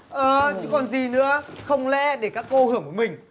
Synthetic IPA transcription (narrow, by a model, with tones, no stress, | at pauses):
ʔəː˨t͡ɕɨ˧˦˥kɔ˨˩nzi˨˩nɨ̰˧˥əxə˧wŋ͡mlɛ̰˧˥ɗe˧˩kaː˦˥kːo˧hɨ˧˩əŋku˧˩mï˨˩ŋ̟